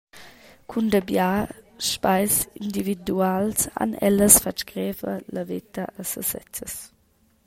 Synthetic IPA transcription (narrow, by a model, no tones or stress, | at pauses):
kʰundəbjaʃpajsind̪ividualsa̰nɛ̰ləsfat͡ʃɡɾɛvə̰ləvit̪əʔəsəsɛ̰t͡səs